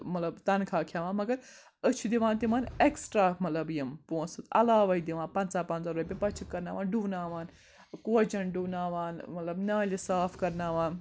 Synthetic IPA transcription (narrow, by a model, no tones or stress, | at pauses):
mɐt̪lɐbt̪ɐnkʰaːkʰjaːʋãːnmɐɡɐɾ | ət͡ʃʰud̪iʋãːnt̪imaːneksʈɾaːmɐt̪lɐbjɐmpoːnsɨt̪ɐ̰laːʋɐid̪iʋãːnpɐnt͡saːpɐnt͡saːɾoːpʲipɐt͡ʃʰikːɐɾna̰ːʋaːnɖuːnaːʋaːn | koːd͡ʒɐnɖuːnaːʋaːnmɐt̪lɐbnaːlisaːfʰkɐɾnaːʋaːn